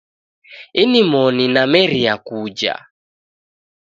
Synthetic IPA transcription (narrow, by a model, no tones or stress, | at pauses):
inimɔninamɛɾiakud͡ʒa̰